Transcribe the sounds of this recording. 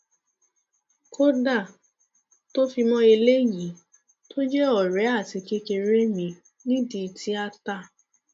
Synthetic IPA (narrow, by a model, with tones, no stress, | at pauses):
ko˦da˦˨ | to˦fi˧mɔ̃˦e˧le˦ji˨˦ | tʰo˦d͡ʒɛ˦ɔ˦˨ɾɛ˨˦a˦˨ti˧ke˧ke˧ɾe˦mĩ˧ | nĩ˦di˧ti˦a˧ta˦˨